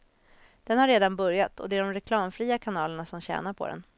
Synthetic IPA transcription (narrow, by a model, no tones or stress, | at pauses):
d̪̥ɛnhaɾeːd̪anbɵɾjat̪ʰɔ̰d̪ɛæɖɔmɾɛkʰlɑːmfɾiːakʰanɑːləɳasɔmɕɛ̰ːnaɾpʰɔ̰d̪ɛ̰n